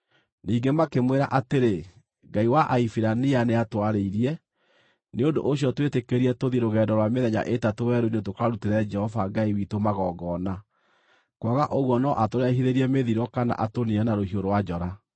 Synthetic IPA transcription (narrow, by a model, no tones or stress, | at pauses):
niːɡemakemweɾaʔateɾe | ɡaiwaʔaifiɾanianeatwaɾeiɾiɛ | neondo̰ʔoɕjɔtwetekeɾiɛtoðiɾoɣɛːdɔɾwameðɛɲa̰ʔetatowɛɾoinetokaɾuteɾɛd͡ʒɛhɔvaɡaiwitomaɣɔɡɔna | kwaɣaʔoɣwɔnɔʔatoɾɛɦiðeɾiɛmeðiɾɔkana̰ʔatoniɛnaɾohioɾowad͡ʒɔɾa